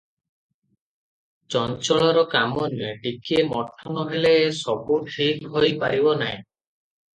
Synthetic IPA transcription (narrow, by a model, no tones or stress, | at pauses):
t͡ʃɔnt͡ʃɔɭɔɾɔkamɔnieɖikʰiemɔʈʰːɔnɔɦeleːsɔbuʈʰikɦojpaɾibɔnaj̃